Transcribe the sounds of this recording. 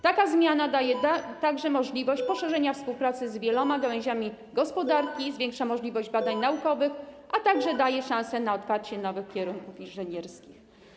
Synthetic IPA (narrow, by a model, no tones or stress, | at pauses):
t̪akazmʲjanad̪ajɛt̪aɡʐɛmɔʐlʲivɔɕt͡ɕpɔʂɛʐɛɲafspuwpɾat̪sɘzvʲjɛlɔmaɡawɛ̃ʑamʲi | ɡɔspɔd̪aɾkʲizvʲjɛŋkʂamɔʐlʲivɔʑd͡ʑbad̪aɲnaukɔvɘxʔat̪aɡʐɛd̪ajɛʂãñsɛnaɔt̪faɾt͡ɕɛnɔvɘxkʲjɛɾunkufinʐɘɲɛɾskʲix